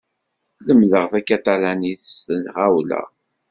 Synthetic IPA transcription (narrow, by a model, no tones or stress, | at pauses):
ləmːləʁfækːæt̪alæniθə̥st̪ənʁawlæ̰